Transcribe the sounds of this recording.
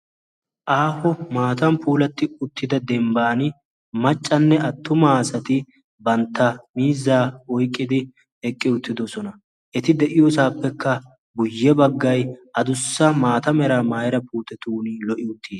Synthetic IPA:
ʔaːfɔmaːt̪ɐmpʰuːlɐt̪ːɪʊt̪ːɪd̪ɐd̪ɛmbaːnɪ | mɐt͡ʃʼːɐnːɛɐt̪ʰːʊmasɐt̪ɪ | bɐnt̪ːɐmiːzːaːɔjkʼːɪd̪ɪ | ɛkʼːɪʊt̪ːɪd̪ɔsɔnɐ | ʔɛt̪ɪd̪ɛʔɪjosaːpːɛkʰːɐ | bʊjːɛbɐɡːɐjʔɐd̪ʊsːɐmaːt̪ɐmɛɾaːmaːjɾɐpʰuːt̪ɛt̪uːniːlɔʔɪʊt̪ːiːs

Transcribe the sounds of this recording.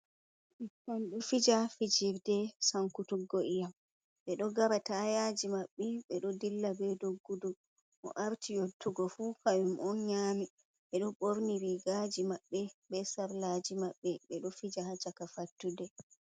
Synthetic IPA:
ʔtɔnɗɔfid͡ʒafid͡ʒiɾdɛsaŋkutuɡoʔijam | ɓɛɗɔɡaɾatajad͡ʒimaɓːɛɓɛɗɔdilːabɛdoɡːudu | ʔɔ̰ʔaɾtʰijotːuɡɔfukajumʔɔnɲaːmi | ɓɛɗɔɓoɾniɾiɡad͡ʒimaɓːɛbɛsaɾlad͡ʒimaɓːɛɓɛɗɔfid͡ʒahad͡ʒakafatːudɛ

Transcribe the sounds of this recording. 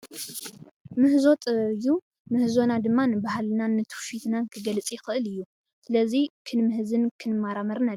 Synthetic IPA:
mɨhzo̞t̪ʼɨβɐβju | mɨhzo̞nad̪ɨmːanɨbahalɨnanːɨt̪ʰu̥fit̪nakʰɨɡɐlɨt͡sʼijɪxɨʔɨlɨjːu | sɨlɐzikʰɨnmɨhzɨnkʰɨnɨmːaɾamɐɾnalː

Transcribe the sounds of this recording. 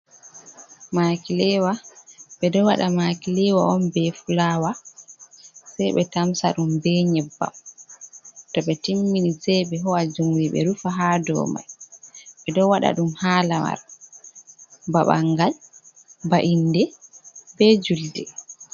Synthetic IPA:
makilɛwaɓɛdɔwaɗamakilɛwaʔɔmbɛfulaːwa | sajɓɛtamsa̰ɗumbɛɲɛbːa̰m | tɔɓɛtimːinisɛjɓɛɦɔwad͡ʒumwiɓɛ̰ɾufaɦadɔ̰ːma̰jɓɛdɔwaɗa̰ɗumhaːlama̰ɾ | baɓa̰ŋɡal | baʔindɛbɛd͡ʒuldɛ

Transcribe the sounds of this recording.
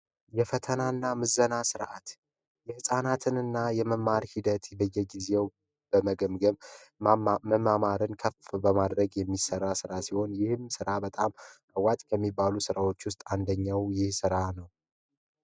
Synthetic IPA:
jɛfət̪ʰənaɨnːamɨzːənasɨɾʔa̰t̪ | jɛhɨsʼanat̪ʰɨnɨnːajɛməmːaɾhid̪ət̪bəjːɛɡize̞w | b̥əməɡəmɡəβ | məmamaɾɨnkʰəfbəmad̪ɾəɡjɛmːisərːasɨɾasiho̞njɪhɨmsɨɾabət̪ʼamʔəwːat̪ʼkʰəmːibːalusɨɾawo̞t͡ʃːwʊst̪ʼand̪əɲːawjɪhsɨɾanəw

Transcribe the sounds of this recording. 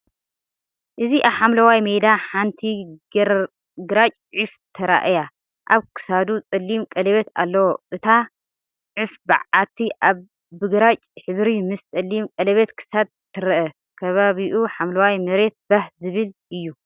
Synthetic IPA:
ʔɨziʔaβħamlɐwajmejd̪aħant̪ʰi | ɡɨɾat͡ʃʼʕift̪ʰɐɾa̰ʔja | ʔaβkʰɨ̥sad̪ut͡sʼɐlːimkʼɐlɐβet̪a̰lːɐwoʔɨt̪ʰa | ʕɨfbɨ̰ʕat̪ʰiʔaβː | ɨɡɨɾat͡ʃʼħɨβɾimɨst͡sʼɐlːimkʼɐlɐβet̪kʰɨ̥sad̪̚ʰ | ɨɾɐʔɐ | kʰɐβaβiʔuħamlɐwajmɐɾe̞t̪̚bɐhzɨβɨlʔɨjːu

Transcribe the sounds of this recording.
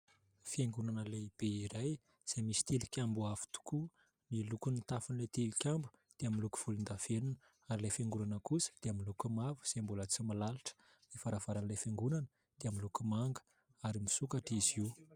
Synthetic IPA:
fieŋɡunanəleib̥eiɾaj | z̥ejmisi̥t̪ilikʲambuavu̥t̪u̥ku | nilukunit̪afunlet̪ilikʲambud̪̥eaminluku̥v̥ulind̪av̥enunə | aɾilefeŋɡunanəkusə̥d̪̥eaminlukumavu̥z̥embulət͡simalaliʈ͡ʂə̥ | nifaɾav̥aɾanlefeŋɡunanə | d̪̥eaminlukumaŋɡə̥ | aɾimisukaʈ͡ʂiz̥iw

